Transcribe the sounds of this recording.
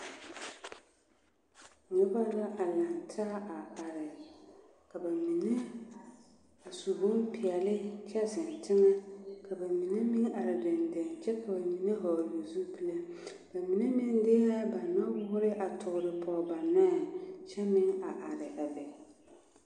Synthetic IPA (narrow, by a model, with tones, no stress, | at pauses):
ɲʊ˦ba˦la˦ʔa˨la˨ntʰa˦a˨ɾɪ˨ | ka˨ba˨mi˨ne˦ | a˨su˨bʊ˦mpʰɪ˨ɛ˨lɪ˦t͡ʃɛ˦sɪ˨n˨tɪ˦ŋɛ˦kʰa˨ba˨mi˨ne˦mi˦ŋʔa˨ɾɪ˨dɪ˨ndɪ˨nt͡ʃɛ˦kʰa˨ba˨ni˨ne˦ɦɔ˨jo˨zu˦pi˦la˦ | b̥a˨mi˨ne˦mɪ˦ŋdɪ˦ha˦ba˨nɔ˦wʊ˦ɾɪ˦ʔa˨tʰʊ˨ɣʊ˨ɾɪ˨pʰɔ˨ba˨na˦˨t͡ʃɛ˦mɪ˦ŋa˨ʔa˨ɾɪ˨ʔa˨bɛ˨